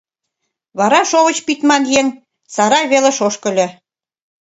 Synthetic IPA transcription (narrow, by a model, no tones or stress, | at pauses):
βɑɾɑʃoβə̆t͡ɕpit̪mɑnjeŋ | sɑɾɑjβelĕʃoʃkɤ̆lʲɤ̆